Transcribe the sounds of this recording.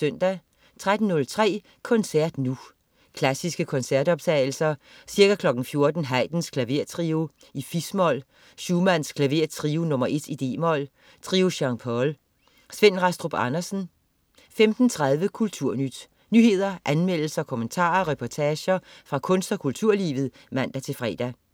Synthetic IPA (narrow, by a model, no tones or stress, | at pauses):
søn̰d̥æ | t͡sʰʁad̥n̩nːɔ̽lt͡sʰʁɛ̰ː | kʰɔ̽nsæɐ̰d̥nu | kʰlæsisɡ̥əkʰɒ̽nsæɐd̥ɒ̽b̥̚t͡sʰɛ̰ɪl̩sɐ | siɐɡ̥ækʰlɒ̽ɡ̥n̩fjo̝ɐd̥n̩ɦæɪd̥n̩skʰlæʋe̝ɐ̰t͡sʰʁio | ifismɒ̽l̰ | ɕuːmæn̰skʰlæʋe̝ɐt͡sʰʁiunɔ̽mɐʔe̝d̥id̥e̝̰ːmɒ̽l̰ | t͡sʰʁiːuɕɑ̈ŋpʰɒl | sʋen̰ʁɑ̈sd̥ʁob̥ɑnɐsn̩ | femd̥n̩t͡sʰʁað̞ˠʋəkʰult͡sʰuɐ̰nyd̥ | nyhe̝ð̞̰ˠɐʔænmel̰l̩sɐɒkʰɔ̽mənt͡sʰɑ̰̈ːɐʁɛpʰɒt͡sʰɛːɕɐfʁɑ̈kʰɔ̽nsd̥ɒ̽kʰult͡sʰuɐ̰liːʋð̞̩ˠmæn̰d̥æt͡sʰe̝lfʁɛ̰ːd̥æ